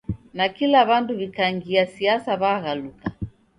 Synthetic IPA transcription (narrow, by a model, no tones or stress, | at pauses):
nakilaβantuβikaŋɡiasiasaβaɣaluka